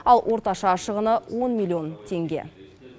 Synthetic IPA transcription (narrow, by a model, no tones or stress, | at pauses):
ɑlˠwʔo̞ɾt̪ɑʃɑʃəʁənəwʔo̞nmilʲˠːio̞nt̪ʰe̞ŋɡʲe̞̰